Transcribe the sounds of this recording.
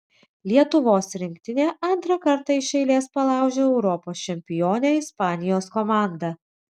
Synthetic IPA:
lʲiɛt̪ʊʋoːsɾʲɪŋʲkʲt̪ʲɪnʲeːʔɐnt̪ɾɐkɐɾt̪ɐɪʃɛɪlʲeːspɐlˠɑˑʊʒʲoːɛʊɾɔpoːst͡ʃʲɛmʲpʲɪjoːnʲɛɪspɑːnʲɪjoːskɔmɑːˑnd̪ɐ

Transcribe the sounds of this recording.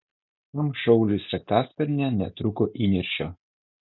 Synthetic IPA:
t̪ɔmʃɔʊlʲɪsʲɾʲɛk̚t̪ɑːsʲpʲɛɾʲnʲɛnʲɛt̪ɾʊkoːʔiːnʲɪɾʲʃʲo

